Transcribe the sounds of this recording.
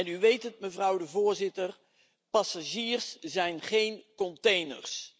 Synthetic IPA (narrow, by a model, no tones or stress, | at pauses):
ɛnyʋejtətməvrʌwdəvʊːɹzɪtər | pɑsaʒiːrszɛjnχejnkɔntejnə̰rs